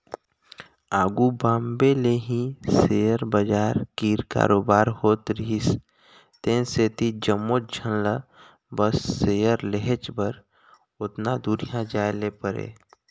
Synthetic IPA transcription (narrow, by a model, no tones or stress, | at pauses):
aːɡubaːmbeleɦĩsejəɾbəd͡ʒaːɾkiːɾka̰ːɾoːbaːɾhoːt̪ɾɦis | t̪ẽnseːt̪id͡ʒəmːot̪̚d͡ʒʱənla | bəsːejəɾleɦet͡ʃbəɾ | ʊt̪nad̪uɾijãd͡ʒaːelepəɾḛː